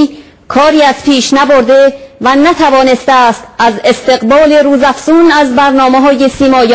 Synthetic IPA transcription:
kʰɒːɾiːæz̥pʰiːʃnæbo̞ɾd̪e̞vænæt̪ʰævɒːne̞st̪æːst̪æze̞st̪e̞ɣbɒːle̞ɾuːzæfsuːnæzbæɾnɒːmeɦɒːje̞siːmɒːj

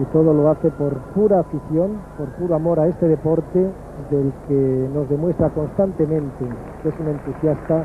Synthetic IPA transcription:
it̪o̞ð̞o̞lo̞aθe̞po̞ɾpuɾaːfiθjo̞mpo̞ɾpuɾoamo̞ɾae̞st̪e̞ð̞e̞po̞ɾt̪e̞ | ðe̞lkeno̞zðe̞mwe̞st̪ɾako̞nst̪ant̪e̞mẽ̞nt̪e | ke̞sune̞nt̪usjast̪a

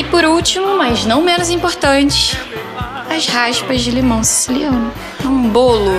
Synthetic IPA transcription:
ɪpʊɾuwt͡ʃimʊmɐznɐ̃w̃mẽnʊzĩpoɾt̪ɐ̃nt͡ʃɪ̥s | ɐzhaʃpɐzd͡ʒɪlemɐ̃w̃ssiliɐ̃nʊ | ɛw̃ũbolʊ

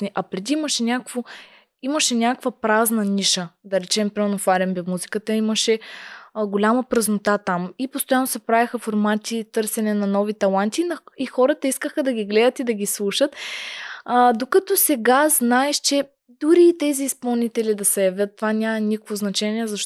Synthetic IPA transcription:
nʲiʔɐpɾɛd̪iiməʃɛnʲakvo | iməʃɛnʲakkvɐpɾaznɐnʲiʃəd̪ɐɾɛt͡ʃɛmpɾimɛlnofaɾɛmbɛmuzikət̪əiməʃɛ | ɡolʲaməpɾɐznot̪at̪amipost̪ojanːosɛpɾavixɐfoɾmat̪it̪ɤɾsɛnɛnɐnɔvit̪ɐlˠant̪inixɔɾət̪əiskəxəd̪ɐɡʲiɡlɛd̪ət̪id̪ɐɡʲislˠuʃət̪ː | d̪okɐt̪ɔsɛɡaznaɛʃt͡ʃɛ | d̪uɾiːt̪ɛziːspɐlˠnit̪ɛlid̪ɐsɛjɐvʲjət̪ːovanʲamɐnʲikkvoznɐt͡ʃɛnʲiɛzɐʃ

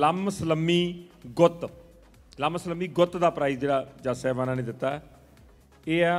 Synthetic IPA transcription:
ləməsləmːiːɡʊt̪ | laməsləmːiːɡʊt̪d̪aːpɾaːid͡ʒeːɽaːd͡ʒaːsɛːʋaːnãːnẽːd̪ɪt̪ːaːɛ | eːɛ

